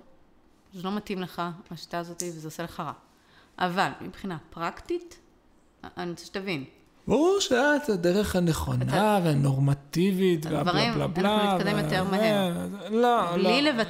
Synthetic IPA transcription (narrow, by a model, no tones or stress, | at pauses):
zelo̞matimleχaaʃi̥t̪aːzo̞t̪ivezeoseleχaʁa̰ | ʔa̰valmḭbχinapʁakt̪it | anitt͡se̥ʃe̥t̪avin | baʁuʁʃeatadeʁeχhaneχo̞̰naveano̞ʁmat̪ivit̪veavaʁelabllaitkad̪emjot̪eʁmae | lollileva